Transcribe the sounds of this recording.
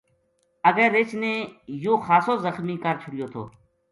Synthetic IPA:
əɡeːɾeːt͡ʃnẽːjoːxaːsoːzəxmiːkəɾt͡ʃʰʊɽɪjoːt̪ʰo̰ː

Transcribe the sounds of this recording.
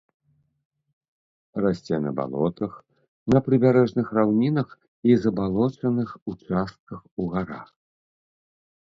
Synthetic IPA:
rasʲt͡sʲɛnɐ̰ba̰lˠɔ̰t̪ɐx | nɐpɾɨbʲaɾɛʐnɨxrawnʲinɐx | izɐbalˠɔt͡ʂɐnɨxut͡ʂast̪̚kɐxuɣaɾa̰x

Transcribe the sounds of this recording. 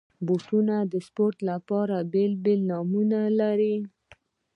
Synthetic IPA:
boʈunad̪əspoɾt̪lapɑɾabelbelnɑmunalaɾi

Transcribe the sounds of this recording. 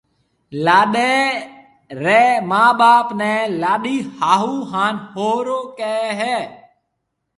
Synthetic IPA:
laːɗeː | ɾɛːmaːɓaːpnɛ̃ːlaːɗiːhaːɦuːɦaːnhoːɾoːkeːɦɛː

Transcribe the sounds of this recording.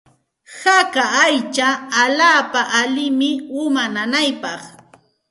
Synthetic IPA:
hakaːjt͡ʃaːʎaːpaʔalɪmɪʊmananajpɑχ

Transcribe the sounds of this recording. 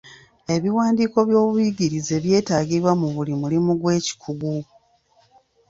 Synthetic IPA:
e̞βiwaːndiːko̞βjo̞ːβujiɟiɾize̞βje̞ːtaːɡiβwamuβulimulimuɡwe̞ːci̥kʰuɡu

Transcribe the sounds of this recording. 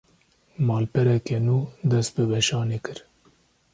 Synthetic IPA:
mɑːlpɛɾɛkɛnuːd̪ɛst̪̚bɨbɛʃɑːneːkʰɨɾ

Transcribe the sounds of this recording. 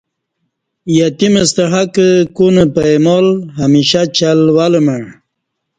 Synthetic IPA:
jat̪iməst̪əɦakəkunəpaemɔlɦamiɕat͡ɕalwaləməɳ

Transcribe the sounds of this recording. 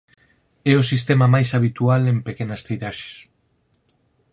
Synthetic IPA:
ɛʊsist̪ɛmɐmajsaβ̞it̪ualempekenɐst̪ejɾaʃe̥s

